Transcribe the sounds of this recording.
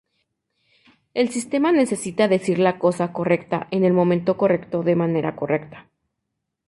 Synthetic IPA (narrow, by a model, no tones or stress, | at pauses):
e̞lsist̪e̞mane̞se̞sit̪aðe̞siɾlako̞sako̞re̞kt̪a̰ʔe̞ne̞lmõ̞mẽnt̪o̞ko̞re̞kt̪o̞ðe̞mane̞ɾako̞rʔe̞kt̪ḁ